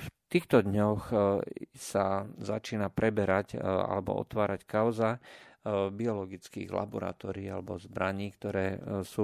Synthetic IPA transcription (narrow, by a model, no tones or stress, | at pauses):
ft̪iːxt̪ɔd̪ɲɔx | sazat͡ʃiːnapɾɛbɛɾaca̰lɛbɔ̰ɔ̰t̪ʋaːɾackaʊza | biɔlɔɡit͡skḭːɣla̰bɔɾa̰t̪ɔːɾiːalɛbɔzbɾaɲiːkt̪ɔɾɛːsuː